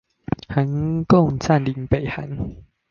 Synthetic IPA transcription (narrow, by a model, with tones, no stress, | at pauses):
ha˨˦nkɔ˥˧˨ŋt͡sa˥˧nli˨˩˦npe˨˩jha˨˦n